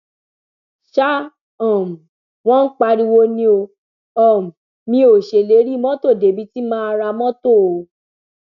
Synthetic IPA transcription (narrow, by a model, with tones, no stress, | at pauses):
ʃa˦ | ɔ̃˨m̩˨ | w̃ɔ̃˦n̩˦k͡pa˧ɾi˧wo˧nĩ˧˦o˧ | ɔ̃˨m̩˨ | mĩ˧˦o˨ʃe˨le˨˦ɾi˦mɔ̃˦to˦˨de˨˦bi˦ti˦mãː˦a˧ɾa˧mɔ̃˦to˦˨o˨